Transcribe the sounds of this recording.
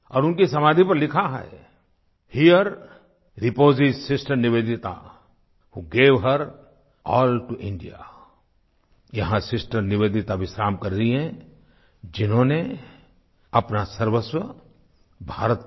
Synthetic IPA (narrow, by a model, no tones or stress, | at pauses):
ɔːɾʊnkisɐmaːd̪ʱipɐɾlɪkʰaɦɛ̰ɛ | hijəɾ | ɾɪpoːzɪzsɪsʈəɾnɪʋeːd̪ɪt̪a̰ | huːɡeːʋɦəɾ | ɔːlʈuʔɪ̃ɳɖija̰ | jɐɦãsɪsʈəɾnɪʋeːd̪ɪt̪aʋɪsɾaːmkɐɾɾɐiɦɛ̃ | d͡ʒɪnɦõːne | ɐpnasɐɾʋəswə | bʱaːɾət̪